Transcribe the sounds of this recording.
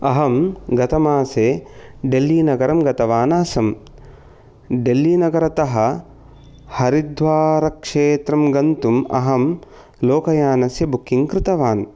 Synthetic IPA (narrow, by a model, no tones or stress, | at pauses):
ɐɦɐmɡɐt̪ɐmaːseːɖelːiːnɐɡɐɾɐmɡɐt̪ɐʋaːnaːsɐm | ɖelːiːnɐɡɐɾɐt̪ɐɦɐ̆ | hɐɾid̪ʋaːɾɐkʂeːt̪ɾɐmɡɐnt̪umɐ̰ɦɐm | loːkɐjaːnɐsjɐbʱukʰːiŋkɾɪt̪ɐʋaːn